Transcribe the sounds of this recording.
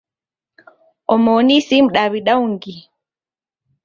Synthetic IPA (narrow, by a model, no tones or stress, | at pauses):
ʔɔmoːnisimɗawiɗawŋɡi